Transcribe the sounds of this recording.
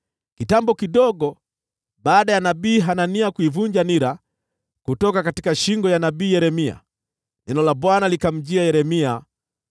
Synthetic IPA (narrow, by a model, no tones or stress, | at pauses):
kitambɔkiɗɔɡɔ | ɓaːɗajanabiːɦananiakuivuɲd͡ʒaniɾa | kutɔkakatikaʃiŋɡɔjanabiːjɛɾɛmia̰ | nɛnɔlaɓwanalikam̩d͡ʒiajɛɾɛmia